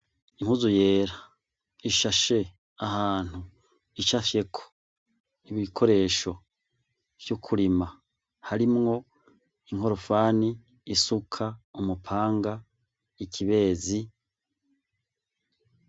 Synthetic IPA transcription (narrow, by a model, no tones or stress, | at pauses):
iŋuzuje̞ːɾa | iʃaʃe̞ | ahaːn̥hu | it͡ʃafje̞kʰo̥ | iβikʰo̞ɾe̞ːʃo̞ | vjukʰuɾima | haɾimŋo̞ | iŋho̞ɾofaːniː | sukʰaumupʰaːŋɡa | ikʰiβe̞ːzi